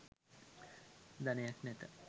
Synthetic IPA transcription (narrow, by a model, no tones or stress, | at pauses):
d̪anejaknɛt̪ə